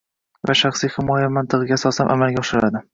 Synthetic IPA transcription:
vaʃaχsijhɪmɒjamant̪ʰɨʁɨɡʲasɒsanʔa̰malˠɡʲaɒʃɪɾad̪ɪ

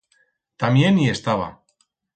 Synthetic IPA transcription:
t̪amje̞nie̞st̪aβa̰

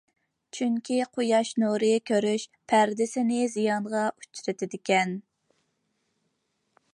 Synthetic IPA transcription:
t͡ʃʰyŋkʲʰiqʰojɑʃnuɾɨkʲʰøɾyʃpʰæɾd̪ɪsɪnɪzijɑɴʁɑʔut͡ʃɾɪt̪ʰɪd̪ɪkʲɛn

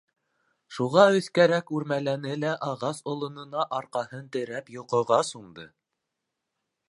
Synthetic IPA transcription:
ʃuʁɑɵ̆θkæɾækʉɾmælænɘlæʔɑʁɑsŏlˠŏnɤ̆nɑʔɑɾqɑhɤnt̪ɘ̆ɾæpjŏqŏʁɑsuɴd̪ɤ

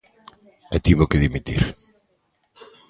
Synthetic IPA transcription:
ɛ̰t̪iβokeðimit̪ḭɾ

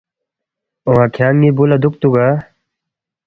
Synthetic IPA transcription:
oɦãkʰjaːŋɡibulad̪uk̚t̪uɡa

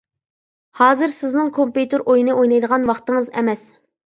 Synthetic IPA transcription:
hɑːzɨɾsɪznɨŋkʰompjut̪ɪɾʔojnɨʔojnɑjd̪əʁɑnwɑχt̪ɨŋɨzɛ̰mɛs

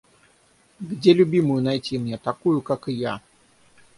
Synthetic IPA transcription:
ɡdʲelʲʊbʲimʊjʊnajtʲimnʲɛt̪akujʊkakɨja

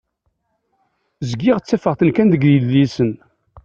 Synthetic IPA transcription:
zəɡːɪʁt͡sːæfəʁθənkænd̪əɡəlːisən

